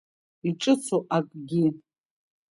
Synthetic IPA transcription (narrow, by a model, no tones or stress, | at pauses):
iʈ͡ʂʼɨt͡sʰoʔakʼɡʲi